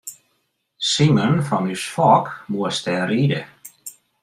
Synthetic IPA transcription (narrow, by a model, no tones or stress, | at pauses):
simənfɔnysfɔːkmuəstɛːriːdə